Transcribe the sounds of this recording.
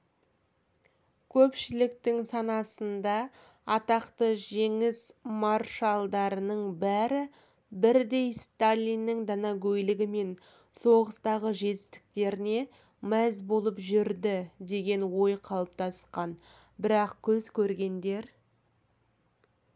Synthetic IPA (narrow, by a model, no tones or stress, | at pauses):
kʲʰɵpʃɪlɪkt̪ɪŋsɑnɑsənd̪ɑ | ɑt̪ɑqt̪əʒe̞ŋɪzmɑrʃalˠd̪ɑɾənəɴbæɾɪ | bɪɾd̪e̞jst̪alʲːinːɪŋd̪ɑnɑɡʲɵjlɪɡʲɪme̞n | so̞ʁəst̪ɑʁəʒe̞t̪ɪst̪ɪ̥k̚t̪e̞ɾɪne̞ | mæzbo̞lˠəpʒʏɾd̪ɪd̪e̞ɡʲe̞nwo̞jqʰɑlˠəp̚t̪ʰɑsqɑn | bɪɾɑqkʲʰɵzkʲʰɵɾɡʲe̞nd̪e̞ɾ